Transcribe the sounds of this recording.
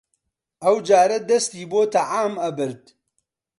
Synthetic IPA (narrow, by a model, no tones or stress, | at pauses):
ɐwd͡ʒaːɾɐd̪ɐst̪iːboːt̪ʰɐʕaːmɐbɨɾd̪